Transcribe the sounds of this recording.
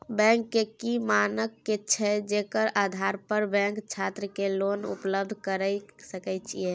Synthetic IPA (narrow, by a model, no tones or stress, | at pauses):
bɛ̃ŋkːekimanəkːet͡ʃʰɛd͡ʒekəɾad̪ʱaɾpəɾbɛ̃ŋkt͡ʃʰat̪ɾəkelonṵpləbd̪ʱkəɾəjsəkɛt͡ʃʰie